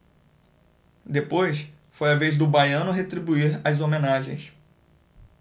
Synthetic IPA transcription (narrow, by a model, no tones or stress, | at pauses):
d̪epojs | fojavezd̪ʊbajɐ̃nʊɦet̪ɾibuiɾazomẽnaʒẽj̃s